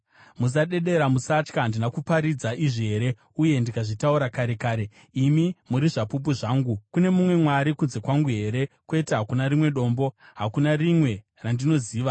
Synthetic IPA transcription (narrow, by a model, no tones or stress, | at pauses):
mus̬aɗe̞ɗe̞ɾamusat͡ʃkandinakupaɾid͡zaʔiʐiɦe̞ɾe̞ | uje̞ndikaʐitauɾakaɾe̞kaːɾe̞ | imimuɾiʐapup̬uʐaːŋɡukune̞mumwe̞mwaɾikunze̞kwaŋɡuɦe̞ɾe̞kwe̞teɦakunaɾimwe̞ɗo̞ːmbo̞ | ɦakunarimwe̞ | randino̞ziːʋa